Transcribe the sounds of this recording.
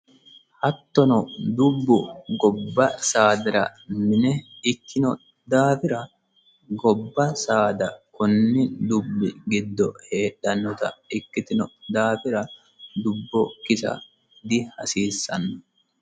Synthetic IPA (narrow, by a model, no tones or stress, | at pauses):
hɐt̪ːɔnɔd̪ʊbːʊɡɔbːɐsaːd̪ɪɾɐ̰mɪnɛɪkːɪnɔ | d̪aːfɪɾɐ | ɡɔbːɐsaːd̪ɐkʊnːɪd̪ʊbːɪɡɪd̪ːɔhe̞ːɗːɐnːɔt̪ɐ̰ɪkːɪt̪ɪnɔd̪aːfɪɾɐ | d̪ʊbːɔkɪsɐ̰ | d̪ɪhɐsiːsːɐnːɔ